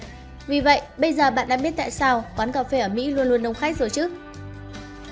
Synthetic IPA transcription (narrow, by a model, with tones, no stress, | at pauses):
vi˨˩və̰˧˨jʔɓə˧jzəː˨˩ɓa̰ː˧˨nɗa̰ː˧˥ɓi˦˥ət̚t̪a̰ː˧˨jsaː˧wkwaː˨˦nkaː˨˩fe˧ʔəː˧˩mḭ˧˥lu˧nlu˧ənɗə˧wŋ͡mxa˦˥k̚zo˨˩jt͡ɕɨ˦˥